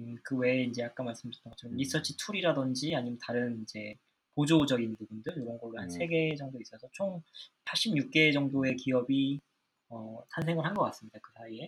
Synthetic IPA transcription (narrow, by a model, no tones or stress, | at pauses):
kɯwe̞ind͡ʑe̞ak͈anmaɭs͈ɯmt͡ɕʰi̥t͈ʰaɡt͡ɕʰʌɡʌmɾis͈ʌt͡ɕʰitʰuɾiɾadʌnd͡ʑiaɲimjʌntaɾɯnind͡ʑe̞ | pod͡ʑod͡ʑʌɡinbubundɯɭjoɾʌnɡʌɡaansʰe̞ɡe̞d͡ʑʌŋdois͈ʌsʰʌt͡ɕʰoŋpʰaɭɕ͈ʰimɲuk̚k͈e̞d͡ʑʌŋdoe̞kiʌbi | ʌsʰans̬ʰe̞ŋɯɭhanɡʌk͈as͈ɯmɲidakɯsʰaie̞